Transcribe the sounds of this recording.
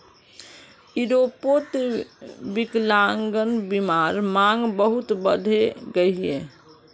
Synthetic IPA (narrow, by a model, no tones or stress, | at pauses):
iɾopot̪ | biklaŋɡənbimaɾmaŋɡbəɦut̪bəd̪ʱeɡəɦiḛ